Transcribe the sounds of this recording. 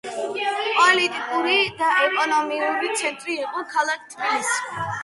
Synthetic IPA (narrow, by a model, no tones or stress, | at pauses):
pʼɔlit̪ʼikʼuɾid̪aɛkʼɔnɔmiuɾit̪sʰɛnt̪ʼɾiːqʼɔkʰalˠak̚ʰt̪ʰwilis